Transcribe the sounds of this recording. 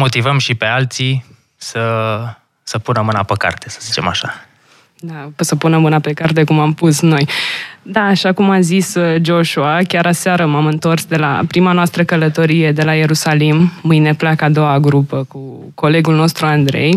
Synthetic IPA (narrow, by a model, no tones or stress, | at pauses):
mo̞t̪ivəmʃipe̞alt̪si | sə | səpunəmɨnapəka̰rt̪esə̥zit͡ʃe̞̰ma̰ʃa | d̪aosəpunəmɨnape̞kart̪̬e̞kumampusno̞jd̪aːʃakumazisd͡ʒo̞ʃuakʲaɾasaɾəmamɨnt̪o̞rsd̪e̞la̰pɾimanoast̪ɾəkələt̪o̞ɾije̞d̪e̞laje̞ɾusalimːɨjne̞plakad̪o̞waɡɾupəku | ko̞le̞ɡulno̞st̪ɾuand̪ɾe̞̰j